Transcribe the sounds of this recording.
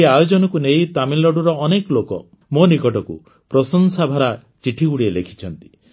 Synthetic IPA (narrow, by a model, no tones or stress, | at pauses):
eajod͡ʒɔnɔkuneɦit̪amilːɔɽuɾɔːnekɔlokɔ̰ | monikɔʈɔkṵ | pɾɔsɔnsabʱaɾa | t͡ʃiʈʰiɡuɽielekʰi̥t͡ʃʰɔnt̪i̥